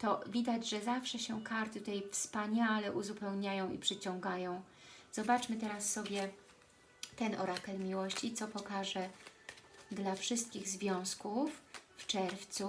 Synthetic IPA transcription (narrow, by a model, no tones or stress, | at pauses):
t̪ɔvʲid̪ad͡ʑʐɛzafʂɛɕɛkaɾt̪ɘt̪ɛjfspaɲalɛʔuzupɛwɲajɔ̃w̃ḭpʂɘt͡ɕɔ̃ŋɡajɔ̃w̃ | z̥ɔbat͡ʂmɘt̪ɛɾasːɔbʲjɛ | t̪ɛnɔ̰ɾatɛlmʲiwɔɕt͡ɕit̪sɔpɔkaʐɛ | d̪lafʂɘst̪̚kʲiɣzvʲjɔ̃w̃skufːt͡ʂɛɾft̪su